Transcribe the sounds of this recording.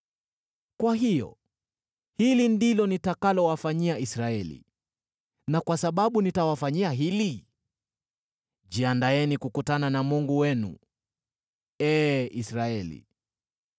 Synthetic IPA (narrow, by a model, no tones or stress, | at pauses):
kwaɦijɔ̰ | hilindilɔnitakalɔwafaɲiaisɾaɛlḭ | nakwasaɓaɓunitawafaɲiaɦili | ʄiandaɛnikukutananamuŋɡuwɛnṵ | ɛːisɾaɛlḭ